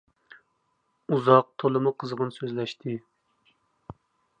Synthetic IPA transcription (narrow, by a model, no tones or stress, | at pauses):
uzɑq̚t̪ʰolˠɨmuqʰəzʁənsøzlɛʃt̪ʰɪ